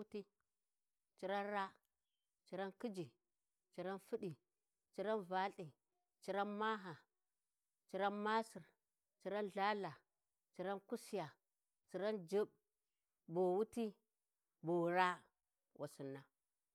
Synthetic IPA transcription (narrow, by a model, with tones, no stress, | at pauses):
ti˦ | t͡ʃi˨ɾa˦nɾa˦ | t͡ʃi˨˦ɾa˦nki˦d͡ʒi˨ | t͡ʃi˨ɾa˦nfi˦ɗi˨ | t͡ʃi˦ɾa˦nva˦ɬi˨ | t͡ʃi˦ɾa˦nma˦ɦa˨ | t͡ʃi˨ɾa˦nma˦si˨ɾ | t͡ʃi˦ɾa˦nɮa˦la˨ | t͡ʃi˨ɾa˦nku˦si˦ja˨ | t͡ʃi˨ɾa˦nd͡ʒi˦b | bo˨wu˦ti˦ | bo˨ɾa˦ | wʔa̰˨si˨nːa˨